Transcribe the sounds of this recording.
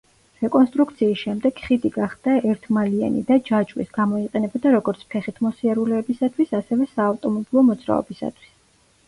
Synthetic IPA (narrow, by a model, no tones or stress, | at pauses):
ɾɛkʼɔnst̪ʼɾukʰt̪sʰiːsʃɛmd̪ɛɡχid̪iɡaχd̪̥aɛɾt̪ʰmalia̰nḭd̪ad͡ʒat͡ʃʼwḭsɡ̥amɔiqʼɛnɛbɔd̪aɾɔɡɔɾt̪sʰpʰɛχit̪ʰmɔsiaɾulɛːbisat̪ʰwisasɛvɛsaːft̪ʼɔmɔbilˠɔmɔd̪zɾa̰ɔ̰bisa̰t̪ʰwi̥s